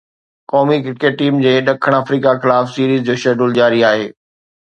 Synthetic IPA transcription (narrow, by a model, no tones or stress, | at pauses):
kɔːmikɪkeːʈiːmd͡ʑeːɗɐkʰəɽ̃aːfɾiːkaxɪlaːfsiːɾiːzd͡ʑoːʃɐɖʊld͡ʑaːɾiaːɦeː